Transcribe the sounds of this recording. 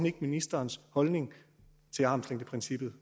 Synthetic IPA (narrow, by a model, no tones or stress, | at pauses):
niɡ̥minisd̥ɐːnshɒ̽lne̝ŋ | t͡sʰe̝lɑ̈ːmsleŋ̰d̥əpʰʁɛnsib̥ð̞̩ˠ